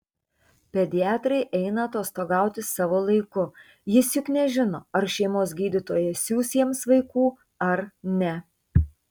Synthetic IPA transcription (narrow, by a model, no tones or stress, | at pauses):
pʲɛd̪ʲɪɑːt̪ɾɐɪʔɛɪnɐɐt̪oːst̪oːɡɑˑʊt̪ʲɪssɑːʋoːlˠɐɪkʊ | jɪsjʊknʲɛʒʲɪnoːɐɾʃʲɛɪmoːs̬ɡʲiːd̪ʲɪt̪oːjɛsʲuːsʲiɛmsʋɐɪkuː | ɐɾnʲɛ